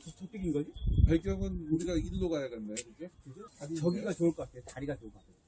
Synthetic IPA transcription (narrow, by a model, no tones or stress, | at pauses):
t͡ɕʰʌt͈ɯɡinɡʌd͡ʑipaɭk͈jʌŋɯnuɾiɡaiɭːoɡajaɡenːajoiɡekd͡ʑad͡ʑit͡ɕʌɡiɡat͡ɕouɭk͈ʌatʰejotaɾiɡat͡ɕouɭk͈katʰeo